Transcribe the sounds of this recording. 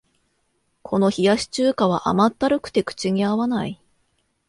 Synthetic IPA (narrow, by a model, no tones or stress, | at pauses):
kʰo̞no̞çijaɕi̥t͡ɕɨːkaβ̞aʔa̰mat̪ːaɾɯ̟kɯ̟̥t̪e̞kɯ̟̥t͡ɕiɲ̟iaβanai